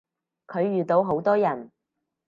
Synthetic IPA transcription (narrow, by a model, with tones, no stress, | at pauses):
kʰɵ˨˧ɥːyː˨t̪o˨˧˥wɦo˨˥wt̪ɔː˥jɐ˨˩n